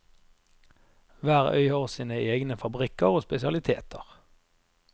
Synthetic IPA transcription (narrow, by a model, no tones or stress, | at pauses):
ʋæːʁœ̰ʏəʁsiːnəeːɡnəfɑbʁɪkəʁoːspɛsɪɑlɪt̪ʰḛːt̪ʰəʁ